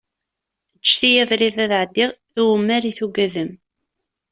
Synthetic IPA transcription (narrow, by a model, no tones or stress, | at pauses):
ət͡ʃːθijævɾiðæðʕəd̪ːiʁ | iwəmːæɾiθuɡæðəm